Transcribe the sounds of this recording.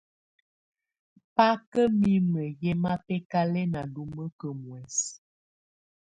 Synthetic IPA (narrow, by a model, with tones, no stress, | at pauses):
pa˦kə˦mi˦mə˨jɛ˦ma˦pɛ˦ka˦lɛ˦na˨lu˦mə˦kə˨mwɛ˨s